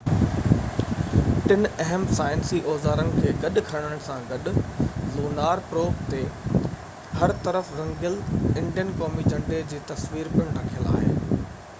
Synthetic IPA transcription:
ʈɪnɛɦəmsaːɪnsiʔɔːzaːɾənɪ̆kʰeːɡɐɗkʰɐɽ̃əɽ̃sãɡɐɗʊ̆loːnaːɾpɾoːkt̪e | hɐɾt̪ɐɾəfɾɐ̃ŋɡɪlɪ̃ɳɖijənkɔːmid͡ʑɐ̃ɳɖed͡ʑeːt̪ɐsʋiːɾpɪɽ̃ɾɐkʰijəla̰ːɦḛː

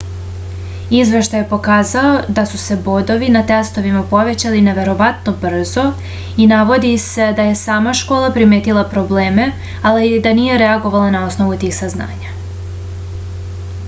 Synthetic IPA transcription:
izʋe̞ʃt̪ajepo̞kaːzaod̪asuse̞bo̞d̪o̞ʋinat̪est̪o̞ʋimapo̞ʋe̞t͡ɕaline̞ʋe̞ɾo̞ʋat̪no̞br̩zo̞ | inaʋo̞d̪ise̞d̪aje̞saːmaʃko̞ːlˠapɾime̞ːt̪ilˠapɾo̞ble̞ːme̞ | alid̪anije̞ɾe̞aɡo̞ʋalˠanao̞sno̞ʋut̪iːxsazna̰ːɲa

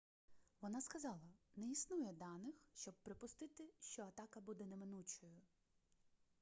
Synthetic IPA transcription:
ʋɔnɑskɐzɑlˠɐnɛisnujɛd̪ɑnɪxʃt͡ʃɔb̚pɾɪpʊst̪ɪt̪ɪʃt͡ʃɔɐt̪ɑkɐbud̪ɛnɛmɪnut͡ʃɔjʊ

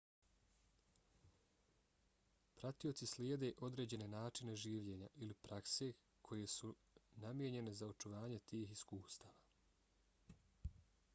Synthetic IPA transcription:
pɾat̪io̞t̪sisljeːd̪e̞ʔo̞d̪ɾe̞ːd͡ʑe̞ne̞naːt͡ʃine̞ʒiːʋʎe̞ːɲaʔilipɾakse̞ | kʰo̞je̞su | namje̞ɲe̞ne̞zao̞t͡ʃuʋaːɲe̞t̪iːɦiskuːst̪aːʋa

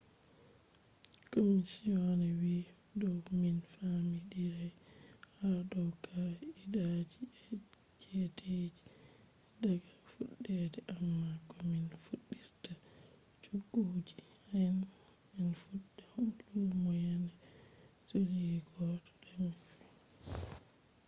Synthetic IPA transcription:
komisionɛwi | dɔwminfamidiɾɛhadɔkʰaidad͡ʒiɛ | t͡ʃɛtʰed͡ʒi | daɡafuɗːɛdɛʔammːakɔminfuɗːiɾta | t͡ʃuɡːud͡ʒi | han | minfuɗaumɔjanɛ | suliɛɡɔtɔ̥dɛmin

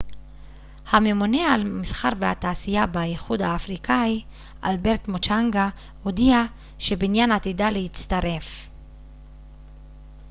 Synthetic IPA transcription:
hame̞mone̞almisχaʁvehat̪aːsijabajiχudhaːfʁikai | ʔa̰lbe̞ʁt̪mot͡ʃaŋɡa | hod̪ia | ʃebinjanat̪idalehit͡st̪aʁe̞f

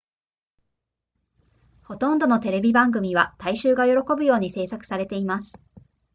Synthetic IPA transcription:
ho̞t̪õ̞nd̪o̞no̞t̪e̞ɾe̞bʲibãŋɡɯ̟mʲiβ̞at̪aiɕɨːɡajo̞ɾo̞ko̞bɯ̟jo̞ːɲ̟ise̞ːsakɯ̟̥saɾe̞t̪e̞imasɨ̥

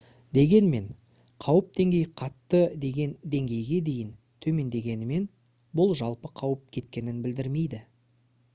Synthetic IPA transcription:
d̪e̞ɡʲe̞nme̞ɴ | qʰɑwəp̚d̪e̞ŋɡʲe̞jqʰɑt̪ːəd̪e̞ɡʲe̞nd̪e̞ŋɡʲe̞jɡʲe̞d̪e̞jɪn | t̪ʰɵme̞nd̪e̞ɡʲe̞nɪme̞n | bʊlˠʒɑlˠpəqʰɑwəp̚kʲʰe̞t̪̚kʲe̞nɪnbɪld̪ɪɾme̞jd̪ɪ

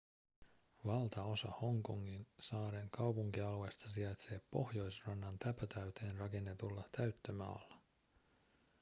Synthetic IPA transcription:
ʋɑlt̪ɑo̞sɑ̰ho̞ŋko̞ŋːinsɑːɾeŋkɑwpuŋk̟iɑlue̞jst̪ɑsiɑjt̪se̞ːpːo̞hjo̞jsrɑnːɑnt̪æpøt̪æɥt̪e̞ːnrɑke̞nːe̞t̪ulːɑt̪æɥt̪ːømɑ̰ːlːɑ

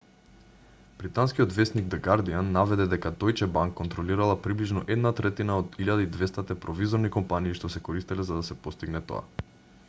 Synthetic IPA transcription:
b̥ɾit̪anskiod̪vɛsniɡd̪ɛɡaɾd̪ianːavɛd̪ɛd̪ɛkad̪ɔjt͡ʃɛbaŋkːɔnt̪ɾɔliɾalˠapɾibliʒnɔʔɛd̪nat̪ɾɛt̪inaod̪iʎad̪aid̪vɛst̪at̪ɛpɾɔvizoɾnikɔmpaniːʃt̪ɔsɛkoɾist̪ilɛzad̪asɛpɔst̪iɡnɛt̪o̰a̰

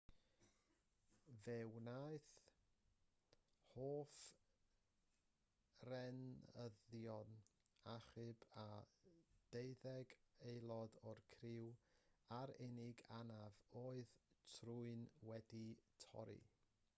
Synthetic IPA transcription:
vɛwnajθ | hoːf | rɛnəðjɔn | aχɨba | d̥ejðɛɡejlˠɔdɔrkʰrɪwaɾɪnɪɡanavoːɨðtʰruɨnwɛditʰɔ̰ɾḭ

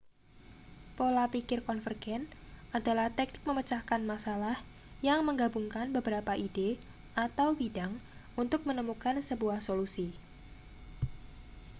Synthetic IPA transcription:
polapikɪrkɔnfərɡ̥ɛn | adalaht̪ɛk̚nɪ̥k̚məmət͡ʃahkanmasalah | jaŋməŋɡabuŋkanbəbəɾapaʔide | at̪awbidaŋ | unt̪ʊk̚mənəmukansəbuahsolusi

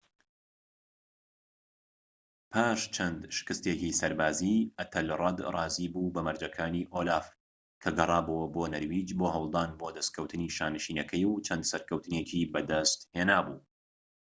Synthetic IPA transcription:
pʰaːʃt͡ʃʰɐnd̪ʃɪ̥kɨst̪eːkisɐɾbaːziɐt̪ʰɐlrˤɐd̪rˤɑːziːbubɐmɐɾd͡ʒɐkʰaːniːʔolaːf | kʰɐɡɐrˤɑːbuwɐbonɐɾwiːd͡ʒboːɦɐwlˠd̪aːnbod̪ɐskʰɐwt̪ʰɨniːʃaːnɨʃiːnɐkʰɐjwt͡ʃʰɐnd̪sɐɾkɐwt̪ɨneciːbɐd̪ɐst̪heːnaːbuː

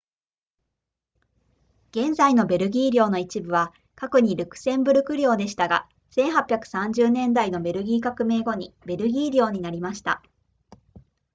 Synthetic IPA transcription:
ɡ̥ẽ̞nzaino̞be̞ɾɯ̟ɡʲiːɾʲo̞ːno̞it͡ɕibɯ̟β̞a | kako̞ɲ̟iɾɯ̟kɯ̥sẽ̞mbɯ̟ɾɯ̟kɯ̟ɾʲo̞ːd̪e̞ɕi̥t̪aɡa̰ | sẽ̞ɰ̃ɦapʲjakɯ̟̥sãɲd͡ʑɨːnẽ̞nd̪aino̞be̞ɾɯ̟ɡʲiːkakɯ̟me̞ːɡo̞ɲ̟ibe̞ɾɯ̟ɡʲiːɾʲo̞ːɲ̟inaɾʲimaɕi̥t̪a̰

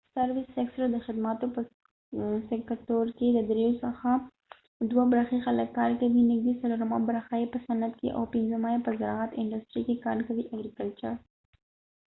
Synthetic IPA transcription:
saɾwɪseksɾad̪əxɪd̪mat̪opə | sɪkat̪oɾked̪əd̪ɾeosəxa | d̪wabɾɑxixaləkːɑɾkawinɪɡ̚d̪esaloɾama̰bɾaxajepəsanat̪kḛʔa̰wpɪnzəmajepəzaɾɑat̪ɪɳɖasʈɾikekɑ̰ɾkawiʔaɡɾikalt͡ʃaɾ

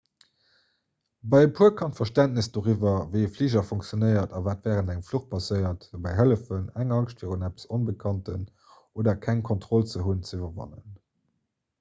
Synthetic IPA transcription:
bɑɪəpʰuɐkʰɑntfɐʃtæntnisd̥oʁivɐvəɪəfliːʒɐfɔŋk̚t͡sjonəɪɐtɑvaːtvɛːʁəndæŋfluχpʰɑsəɪɐtobɑɪɦələfənæŋɑŋʃtfiːʁunæpə̥sonbəkʰɑntən | ʔoːdɐkʰæŋkʰɔntχɔlt͡səɦunt͡səivɐvɑ̰nə̰n

